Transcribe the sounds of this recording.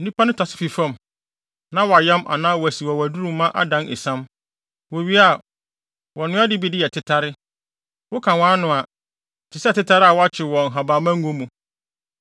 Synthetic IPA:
n̩˦nĩ˦pʰa˦nʊ̃˦tʰa˨sɪ̥˦fi˨fã˨m | nã˦wɔ˨a˨jɛ˦mʔa̰˨nãː˦wɔ˨æ˨si˨wa˨wæ˨du˦ɾũ˦˨mmːã˦ʔa̰˦dã˦nʔe˨sã˦m | wo˨ɥi˦a˨ | wɔ˨nʊ̃˦a˦dɪ˦bi˦dɪ˦jɛ˨tʰɪ˦tʰa˦ɾɪ˦ | wʊ˦kʰã˨wãː˦nʊ̃˨a˨ | tʰɪ˨sɛ˦˨tɪ˦tʰa˦ɾɪ˦a˨wɔ˦a˦t͡ɕʰɪ˨wɔ̃˨ŋ̩˨ɦa˨baː˨mã˦ŋ̩˦ɡõ˦mũ˨

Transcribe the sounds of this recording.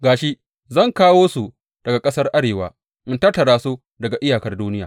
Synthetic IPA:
ɡaː˨ʃi˦ | zɐ˦˨ŋkaː˦woː˦su˨ | d̥ɐ˨ɡa˨kʼɐ˦sɐ˦rʔa˦ɽeː˨waː˨ | ʔɪ˦ntɐ˦tːɐ˨ɾaː˦˨su˦ | dɐ˨ɡa˨ʔɪ˦jaː˨kɐ˦rduː˦nɪ˦jaː˨

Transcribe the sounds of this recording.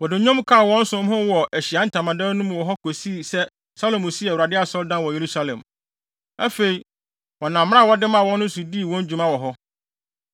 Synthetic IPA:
wɔ˨dɪ˨ɲɔ̃˦mkʰa˦˨wɔ̃˦n̩˦sʊ̃˦m˦ɦʊ̃˦wɔ˨ʔæ˨ɕi˨a˦n̩˨tʰã˨mã˨dã˦nũ˦m˨wɔ˨ɦɔ˦kʰo˨si˦˨sɛ˦ | sa˦lo˨mʊ̃˨si˦ɛ˨wu˨ɾa˨dɪ˦a˨sɔ˦ldã˦nwɔ˨je˨ɾu˦sa˦lɛ̰̃˨m | a̰˦fe˨i˨ | wɔ˨nã˨m̃˦ã˦˨wɔ˦dɪ˦mã˨wɔ̃˦nːʊ̃˦su˨diː˦˨wɔ̃˦n˦d͡ʑᶣu˨˦mã˦wɔ˨ɦɔ˦

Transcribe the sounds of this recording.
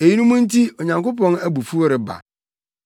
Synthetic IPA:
e˨ji˦nũ˦mũ˦n̩˦ti˦o˨ɲã˨ŋkʊ˦pɔ̃˦næ˦bu˨fu˦o˦ɾɪ˨ba̰˨

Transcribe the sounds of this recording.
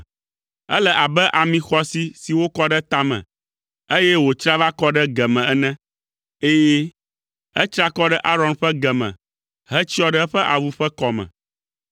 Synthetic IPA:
ɛ̰˦lɛ˨ʔa˨bɛ˦ʔa˨mĩ˨xɔ˦si˦si˨wo˦kɔ˦ɖɛ˦t̪a˦mɛ̰̃˨ | e˦jɛ˦wo˨t͡ʃɾa˦va˦kɔ˦ɖɛ˦ɡɛ˨mɛ̃˨ɛ˦nɛ̃˦ | e˦jɛ˦ | ɛ˦t͡ʃɾa˦kɔ˦ɖɛ˦ʔa˦ɾɔ̃˨˦nɸɛ˦ɡɛ˨mɛ̰̃˨ | ɦɛ˦t͡ɕi˦ɔ˦ɖɛ˦ɛ˦ɸɛ˦ʔa˨vu˦ɸɛ˦kɔ˨mɛ̰̃˨

